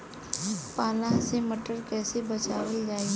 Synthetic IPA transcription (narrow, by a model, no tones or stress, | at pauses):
paːlaseməʈəɾkɛːsebɐt͡ʃaːwəld͡ʒaːe